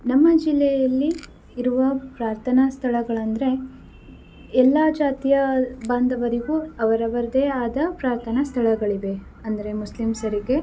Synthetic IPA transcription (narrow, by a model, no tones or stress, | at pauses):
nɐmːɐd͡ʒilːɛjɐlːiː | ɾuʋɐpɾaːɾt̪ʰɐnɐst̪ʰɐɭɐɡɐɭɐnd̪ɾe̞ | ɛlːaːd͡ʒaːt̪ijɐbaːnd̪ɐʋɐɾiɡuɐʋɐɾɐʋɐɾɐd̪eaːd̪ɐpɾaːɾt̪ʰɐnɐst̪ʰɐɭɐɡɐɭiʋe̞ | ɐnd̪ɐɾe̞muslimsɐɾiɡe̞